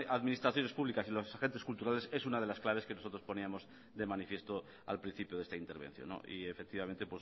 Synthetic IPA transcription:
aðmĩnist̪ɾaθjo̞ne̞spuβlikasilosaxent̪e̞skult̪uɾale̞se̞sunaðe̞lasklaβeske̞noso̞t̪ɾospo̞niamo̞z | d̪e̞manifje̞st̪o | a̰lpɾin̟θipjoðe̞st̪aint̪e̞ɾβḛn̟θjo̰nːo̰ʔḭefek̚t̪iβament̪epwes

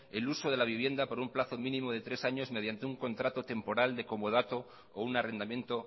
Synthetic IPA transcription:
eluso̞ð̞e̞laβ̞iβ̞je̞nd̪apoɾumplaθo̞mĩnĩmo̞ð̞e̞t̪ɾe̞saɲo̞zmeð̞jant̪e̞uŋko̞nt̪ɾat̪o̞t̪e̞mpo̞ɾald̪e̞ko̞moð̞at̪o̞ː | unare̞nd̪amje̞nt̪o̞

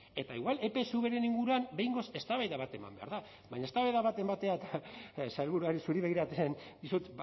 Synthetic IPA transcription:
e̞t̪aiɣwale̞pe̞suβe̞ɾeniŋɡuɾuambe̞jŋɡo̞se̞st̪aβajðaβat̪e̞ma̰mbe̞a̰ɾða | βaɲaest̪aβajðaβat̪e̞mbat̪e̞at̪asalβuɾuaɾisuɾiβe̞ɣ̞iɾat͡s̪end̪isut̪

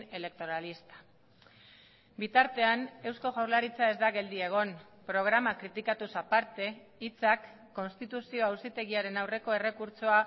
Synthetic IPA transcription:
e̞le̞k̚t̪o̞ɾalist̪ḁ | bit̪aɾt̪e̞ane̞wsko̞ɣawɾlaɾit͡sae̞zd̪aɣe̞ld̪ie̞ɣ̞o̞n | pɾo̞ɣ̞ɾamakɾit̪ikat̪usapaɾt̪e̞ | it͡sakː | o̞nst̪it̪usio̞awsit̪e̞ɣiaɾe̞nawre̞ko̞e̞re̞kuɾt͡soa

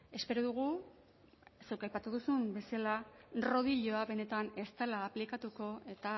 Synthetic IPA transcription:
e̞spe̞ɾoðuɣ̞u | se̞wkajpat̪uðusumbe̞salaro̞ðiʎo̞aβe̞ne̞t̪ane̞st̪alaːplikat̪uko̞e̞t̪a

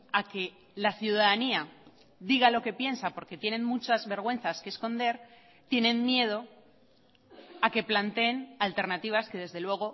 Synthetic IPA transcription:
ake̞ | laθjuðaðania | ðiɣalo̞ke̞pje̞nsapo̞ɾke̞t̪je̞nẽ̞nmut͡ʃazβe̞ɾɣ̞we̞n̟θaske̞ːsko̞nd̪e̞ɾ | t̪je̞nẽ̞nmje̞ð̞o̞ | ake̞plant̪e̞ːnalt̪e̞ɾnat̪iβ̞aske̞ð̞e̞zðe̞lwe̞ɣ̞o̞

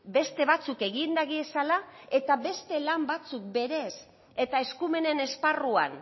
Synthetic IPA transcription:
be̞st̪e̞βat͡suke̞ɣind̪aɣiesalae̞t̪aβe̞st̪e̞lambat͡suk̚be̞ɾe̞s | e̞t̪ae̞skume̞ne̞ne̞sparua̰n

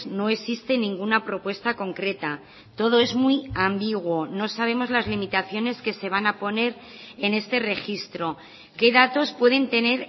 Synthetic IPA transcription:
no̞e̞sist̪e̞nĩŋɡunapɾo̞pwe̞st̪ako̞ŋkɾe̞t̪a | t̪o̞ðo̞e̞zmujambiɣwo̞no̞saβ̞e̞mo̞zlazlimit̪aθjo̞ne̞ske̞se̞β̞anapo̞ne̞ɾ | e̞ne̞st̪e̞re̞xist̪ɾo̞ | ke̞ðat̪o̞spwe̞ðe̞nt̪e̞ne̞ɾ

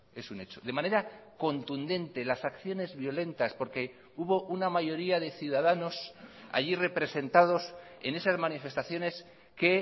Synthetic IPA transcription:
e̞sune̞t͡ʃo̞ðe̞mane̞ɾako̞nt̪und̪e̞nt̪e̞lasakθjo̞ne̞zβjo̞le̞nt̪aspo̞ɾke̞ | uβo̞ʔunamaʝo̞ɾiaðe̞θjuðaðano̞sa̰ʎire̞pɾe̞se̞nt̪aðo̞se̞ne̞sazmanife̞st̪aθjo̞ne̞s | ke̞

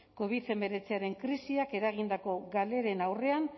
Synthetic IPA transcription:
ko̞β̞iθe̞mbe̞ɾe̞t͡seaɾe̞ŋkɾisiake̞ɾaɣ̞ind̪ako̞ɣale̞ɾe̞nawre̞an

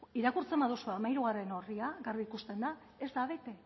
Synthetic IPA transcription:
iɾakuɾt͡se̞mbaðusuamajɾuɣare̞no̞riaɣariikust̪e̞nd̪a | e̞zd̪aβ̞e̞t̪e̞

